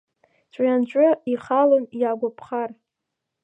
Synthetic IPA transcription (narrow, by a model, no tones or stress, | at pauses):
t͡ʃʷʼant͡ʃʷʼʊiχalonjaɡʷapʰχar